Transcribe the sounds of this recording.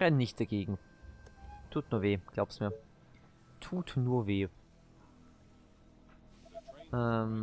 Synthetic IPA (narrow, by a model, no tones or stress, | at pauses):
ʁɛnnːɪçt̚d̥aɡeːɡŋ̩ | tʰuːtnuːɐveːɡ̥laʊbsmiːɐ | tʰuːtnuːɐveː | ʔɛm